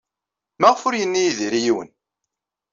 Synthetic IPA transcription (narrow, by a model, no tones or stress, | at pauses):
mæʁfʊɾjənːijiðiɾijiwə̰n